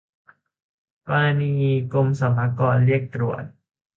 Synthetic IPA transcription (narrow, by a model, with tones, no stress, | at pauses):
paː˧niː˧ko˧msa˨˦pʰa˧˦kɔː˧nli˥˩ək̚t̪ɾu˨˩ət̪̚